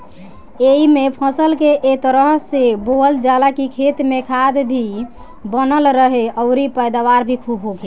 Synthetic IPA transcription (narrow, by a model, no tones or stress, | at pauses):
eimepʰəsəlkeʔet̪əɾəɦsebold͡ʒalakikʰet̪mekʰad̪bʱi | bənəlɾəɦeəʊɾipəjd̪aβaɾbʱikʰubɦokʰe